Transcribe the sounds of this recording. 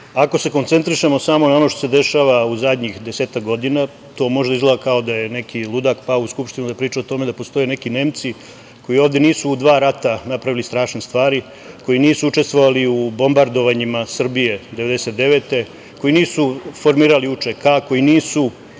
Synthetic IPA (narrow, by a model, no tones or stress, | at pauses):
ako̞se̞ko̞nt̪se̞nt̪ɾiʃe̞mo̞saːmo̞nao̞no̞ʃt̪osed̪e̞ʃaʋauzad̪ɲixd̪eseːt̪akɡo̞d̪ina | t̪o̞ːmo̞ʒd̪aizlaakao̞d̪aje̞ne̞kʰilˠud̪akpaouskupʃt̪inud̪apɾiːt͡ʃaot̪o̞me̞d̪apo̞st̪o̞jene̞kine̞ːmt̪si | ko̞jioːvd̪jeniːsuːd̪ʋaːɾat̪anapɾaʋilist̪ɾaːʃnest̪ʋaːɾi | ko̞jiniːsuut͡ʂe̞st̪ʋo̞ʋaliubo̞mbaɾd̪o̞ʋaɲimasr̩bije̞d̪e̞ʋe̞d̪ese̞t̪̚d̪e̞ʋe̞t̪e̞ | ko̞iniːsufo̞ɾmiːɾaliut͡ʃekako̞jiniːsu